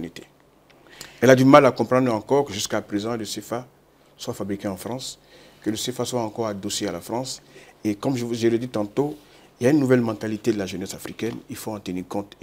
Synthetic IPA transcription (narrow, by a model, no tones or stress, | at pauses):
nit̪e̥ | ɛlad̪ymalakɔ̃pχɑ̃d̪ʁɑ̃kɔʁkəʒyskapχezɑ̃ləsefa | swafabʁikɛ̃ɑ̃fχʁɑ̃s | kələsefaswaɑ̃kɔʁad̪osealafʁɑ̃sekɔmʒʒeʁəd̪it̪ɑ̃t̪o | iljaynːuvɛlmɑ̃t̪alit̪ed̪əlaʒənɛsafʁikɛnilfoɑ̃t̪əniːʁkɔ̃t̪